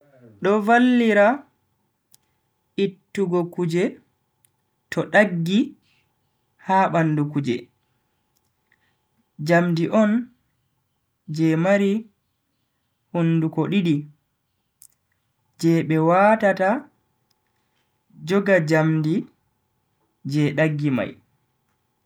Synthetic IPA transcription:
ɗɔvalːiɾa | ʔitːuɡɔkud͡ʒɛ | tɔɗaɡːi | haɓanːdukud͡ʒɛ̰ | d͡ʒamdiʔɔn | d͡ʒɛmaɾi | hunːdukoɗiɗi | d͡ʒɛɓɛwatata | d͡ʒɔɡad͡ʒamdi | d͡ʒɛɗaɡːima̰j

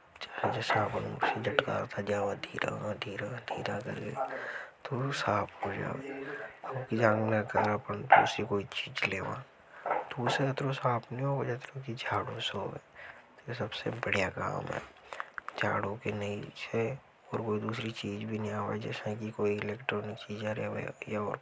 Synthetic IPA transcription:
t͡ʃəled͡ʒɛːsapənuːsed͡ʒəʈka̰ːt̪ʰad͡ʒaːʋad̪ʱiːɾã̰d̪ʱiːɾãd̪ʱḭːɾãkɐ̰ɾḛt̪osaːpʰɦod͡ʒa̰ːʋeːɐkid͡ʒãːŋɡnakəɾapənt̪oʊsikoːit͡ʃiːd͡ʒleːʋã̰ː | t̪oseɐt̪ɾosaːpʰniɦoːed͡ʒet̪ɾokid͡ʒʱaːɽõseɦoːʋeːt̪ojesɐbsḛbəɽ̤ijaka̰ːmɦɛ̰ːd͡ʒʱaːɽõkenɐĩse | ɔːɾkoːid̪uːsɾit͡ʃiːd͡ʒbʱiniaːʋaːid͡ʒɛ̰ːsãkikoːiɪleːkʈɾɔːnɪk̚t͡ʃiːd͡ʒaɾeʋḛjaɔːɾ

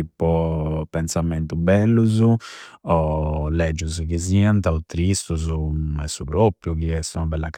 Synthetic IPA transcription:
ipɔpːɛnsamɛnt̪ubɛlːuzuɔlɛd͡ʒːuzkiziant̪aut̪ɾist̪uzumɛsupɾopːɾjukiɛst̪unabɛlːak

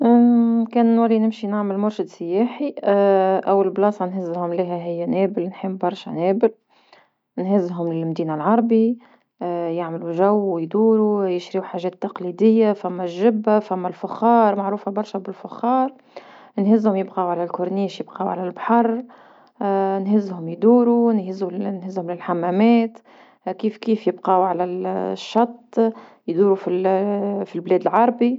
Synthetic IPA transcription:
kɛːnwælːinɪmʃinaʕmɪlmʊɾʃɪd̪sɪjæːħi | ʔæwːalblɑːsˤɑnɦɪzːhʊmliɦæɦɪjːæneːbɪlnħəmːbɑɾˤʃɛ̰nɛːbɪl | nɦɪzːɦʊmlɪlmd̪iːnalʕɑɾˤbi | jaʕmluʒæwːɪjd̪uːɾujɪʃɾiħaːʒɛːt̪ːɑqliːd̪ɪjːafæmːæʒːɪbːafæmːælfʊxɑːɾˤmaʕɾuːfabɑɾˤʃɛbɪlfʊxːɑːɾˤ | nhɪzːhʊmjɪbqɑːwʕalælkʊɾˤniːʃjɪbqɑːwʕa̰lælbħɑrˤ | nhɪzːhʊmjd̪uːɾunhɪzːunhɪzːhʊmlɪlħamːæmɛːt̪ | kiːfkiːfjɪbqɑːwʕalæʃːɑt̪ˤː | jd̪uːɾufilfilblɛːd̪əlʕɑɾˤbi

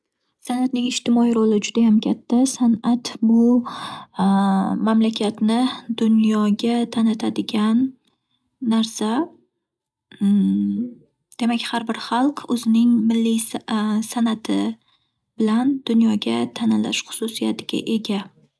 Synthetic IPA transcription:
sanat̪nɪŋɪʃt̪ʰɪmɒiɾolɪd͡ʒʊd̪ajamkʲʰat̪ʰːasanʔat̪bʊ | mamlakʲʰat̪nɪd̪ʊnjɒɡʲat̪ʰanɪt̪ʰad̪ɪɡʲanː | aɾsa | d̪̥e̞makʲhaɾbɪɾχɑlˠqʰɵzɪnɪŋmɪlːisanat̪ʰɪ | b̥ɪland̪̥ʊnjɒɡʲat̪ʰanɪla̰ʃχʊ̥susijat̪ʰɪɡʲa̰ʔe̞ɡʲa

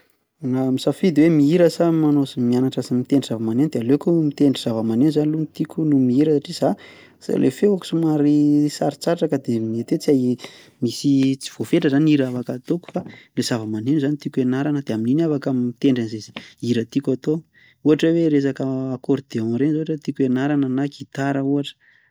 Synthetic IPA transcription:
namisafid̪wemiiɾəsamanosimianaʈ͡ʂasimit̪eɳɖ͡ʐiz̥avəmanend̪ealekumit̪eɳɖ͡ʐiz̥avəmanenzanilunt̪ikʲunumiiɾəsaʈ͡ʂiz̥a | sa̰lʔḛfeaku̥sumaɾisaɾi̥t͡saʈ͡ʂakəd̪emiet̪et͡sia | misit͡si̥v̥ofeʈ͡ʂəzaniɾavakat̪oku̥falez̥avəmanenuzanit̪ikuenaɾanəd̪eamininavakammit̪eɳɖ͡ʐanzezi̥iɾət̪ikat̪o | uaʈ͡ʂəweɾes̬akəːkoɾd̪̥eɔ̃ɾenzoaʈ͡ʂət̪ikuenaɾananakit̪aɾəuaʈ͡ʂə̥

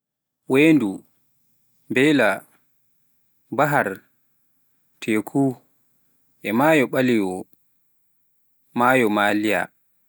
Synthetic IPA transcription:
weːndu | mbɛla | baɦaɾ | tʰɛkʰu | ʔɛmaːjɔɓaliwɔ | majɔmaːlija̰

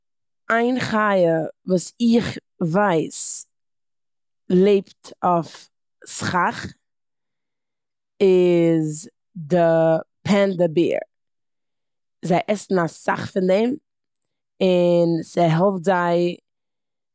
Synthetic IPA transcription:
aɪnχajəvuːsɪχ | vaɪs | lˠeɪptʰɔf | sχaχ | ɪz | dɪpʰɛndəbḭːɾ | zaɪʔɛsn̩asa̰χfɪndɛɪm | ɪnsɪɦɔvtzaɪ

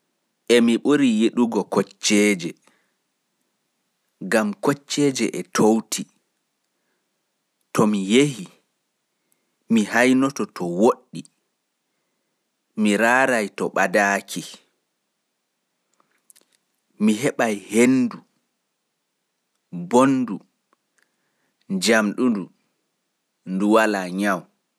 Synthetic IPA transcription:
ʔɛmiɓuɾijeɗuɡɔkɔt͡ʃːɛːd͡ʒɛ | ɡamkɔt͡ʃːɛːd͡ʒɛ̰ʔɛtʰowtʰi | tɔmijehi | mihajnɔtɔtʰɔwoɗːi | miɾaːɾajtɔɓadaːkʰi | miɦɛɓajhendu | bonːdu | d͡ʒamɗundu | nduwalaɲaw

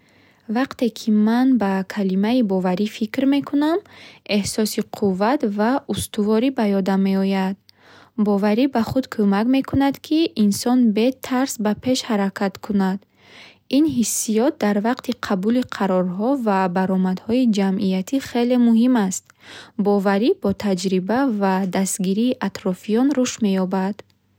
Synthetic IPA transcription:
vaqt̪e̞kʰimanbakʰalimaibɔvaɾifikɾme̞kʰuname̞hsɔsiqʰuvːat̪vaust̪ʰuvɔɾibajɔd̪amːe̞ɔjad̪̚ | bɔvaɾibaχud̪kʰomakme̞kʰunad̪kʰiʔːnsɔnbe̞t̪ʰaɾsbapʰe̞ʃhaɾakʰat̪kʰunad̪ | inɦisːijɔt̪̚d̪aɾvaqt̪ʰiqʰabuliqʰaɾɔɾɦɔvabaɾɔmad̪hɔid͡ʒamʔijat̪ʰiχe̞le̞muhimast̪̚ | bɔvaɾibɔt̪ʰad͡ʒɾibavad̪ast̪ɡiɾiːʔat̪ɾɔfijɔnɾuʃme̞jɔbad̪̥

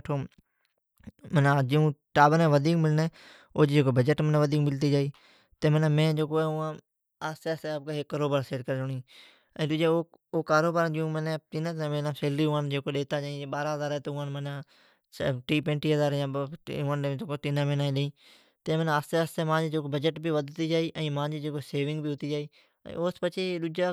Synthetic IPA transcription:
ʈʰoː | mənad͡ʒiũːʈaːbənẽːʋəd̪ʱiːkmɪlneː | oːd͡ʒd͡ʒeːkoːbəd͡ʒəʈmənẽʋəd̪iːkmɪlt̪iːd͡ʒaːiː | t̪eːməneːmẽːd͡ʒeːkoːɛːʊãː | aːst̪eaːst̪eb̚keːɦekːəɾoːbaːɾseːʈkəɾd͡ʒʊɳĩː | ə̃ːt̪ʊd͡ʒeːo | oːkaːɾoːbaːɾd͡ʒijũːmənet̪inãt̪ːmeːnãːseːlɾiːãːnd͡ʒeːkoːɗeːt̪aːd͡ʒːĩːɓaːɾaːɦəzaːɾɛːt̪oːʊãːnməna | ʈiːpẽːɳʈiːɦəzaːɾjãːãːd͡ʒ̪okoːt̪ɪnãːmẽːnaːĩɗeĩː | t̪ẽːmənːaːst̪eaːst̪eːmãːd͡ʒed͡ʒeːkobəd͡ʒəʈbiːʋəd̪ʱt̪iːd͡ʒaːiːʔə̃ːmãːd͡ʒid͡ʒeːkoseːʋɪ̃ŋɡbʱiːɦʊt̪iːd͡ʒaːiː | ə̰̃ːoːspət͡ʃeːɗʊd͡ʒaː

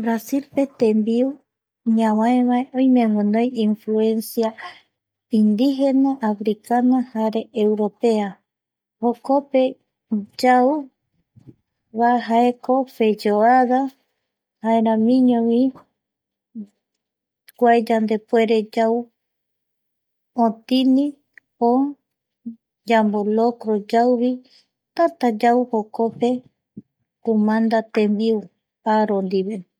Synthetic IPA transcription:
bɾasilpe̞t̪embiu | ɲãwãẽβaeʔõjmẽŋũnõjĩnfluensja | ind̪iɦenaʔafɾikanahaɾe̞ːwɾopea | hokope̞ | d͡ʒau | βaɦaekʰofe̞d͡ʒoaða | haeɾãmĩɲõβi | kʷajd͡ʒand̪epweɾed͡ʒaw | õt̪inĩ | o | d͡ʒambolokɾod͡ʒawβi | t̪at̪ad͡ʒawhokope | kumãnd̪at̪ẽmbiu | aɾond̪iβe

